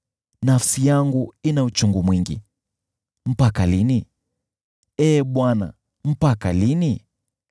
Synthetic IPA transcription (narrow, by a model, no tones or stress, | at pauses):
nafsijaŋɡuinaut͡ʃuŋɡumwiŋɡḭ | m̩pakalini | ɛːɓwana̰ | m̩pakalini